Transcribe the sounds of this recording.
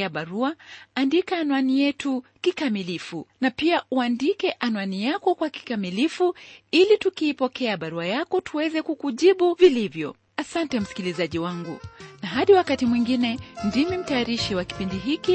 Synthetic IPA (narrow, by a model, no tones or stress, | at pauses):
aɓaɾuaandikaːnwanijɛtukikamilifunapiauandikɛʔanwanijakɔkwaki̥kamilifuilitukiːpɔkɛaɓaɾuajakɔtuwɛzɛkukuʄiɓuvilivjɔ̰ | asantɛm̩si̥kilizaʄiwaŋɡunaɦaɗiwakatimwiŋɡinɛndimim̩taːɾiʃiwaki̥pindiɦiki